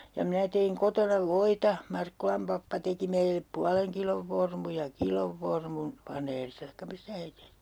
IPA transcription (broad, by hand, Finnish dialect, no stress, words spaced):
jɑ minæ teiŋ kotonɑ ʋoitɑ mɑrkːulɑm pɑpːɑ teki meilep puɑleŋ kiloʋ ʋormu jɑ kiloʋ ʋormun ʋɑneːristɑ tɑikːɑ mistæ he tehtiː